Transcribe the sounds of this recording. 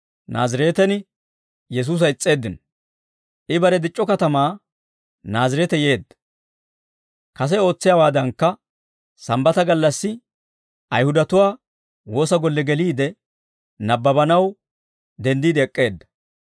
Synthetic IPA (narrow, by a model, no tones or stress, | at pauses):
na̰ːzɪɾeːt̪ɛnɪ | jɛs̬uːs̬ɐɪt͡sʼːe̞ːd̪ːɪn | ʔɪbɐɾɛd̪ɪt͡ʃʼːɔkɐt̪ɐmaː | naːzɪɾɛt̪ɛje̞ːd̪ːɐ̥ | kɐs̬ɛo̞ːt͡sːɪjaːwaːd̪ɐŋkːɐ | sɐmbɐt̪ɐɡɐlːɐsːɪ | ʔɐjhʊd̪ɐt̪ʊwaː | wo̞ːsɐɡɔlːɛɡɛliːd̪ɛ | nɐbːɐbɐnɐw | d̪ɛnd̪iːd̪ɛkʼːe̞ːd̪ːɐ̥